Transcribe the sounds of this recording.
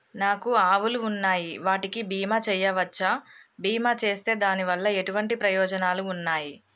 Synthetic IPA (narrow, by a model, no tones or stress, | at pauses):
naːkuaːʋuluːnːaːjiʋaːʈikibiːmaːt͡ʃɛjːɐʋɐt͡ʃːabiːmaːt͡ʃe̞ːst̪e̞ːd̪aːniʋɐlːɐe̞ʈuʋɐɳʈipɾɐjɔːd͡ʒɐnaːluːnːaːji